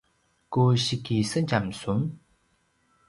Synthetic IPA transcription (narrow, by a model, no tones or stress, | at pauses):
koɕikisənt͡ɕamsuŋ